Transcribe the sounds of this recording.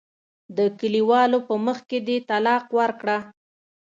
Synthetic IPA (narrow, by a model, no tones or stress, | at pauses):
d̪əkəliwɑlopəməxked̪et̪alɑqwaɾkɽa